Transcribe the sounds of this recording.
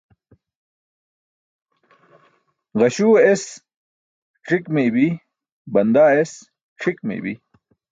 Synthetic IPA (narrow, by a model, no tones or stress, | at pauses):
ʁɐɕues | ʈ͡ʂʰikmeːbi | bɐnd̪aːes | ʈ͡ʂʰikmḛbḭ